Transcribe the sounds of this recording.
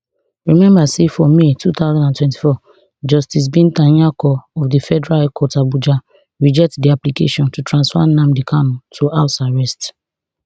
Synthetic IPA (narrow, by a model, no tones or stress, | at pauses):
ɹimɛ̃mbasefɔmetut̪aʊzãndãntwɛ̃nti̥fɔ | d͡ʒɔstis̬bĩntãɲakɔɔfdifɛdɛɹalkɔtabud͡ʒa | ɹid͡ʒɛk̚tdiaplikḛʃɔ̃ntutɹãnsfa̰nãmdikʰanɔ̃tʰuaʊsaɹɛst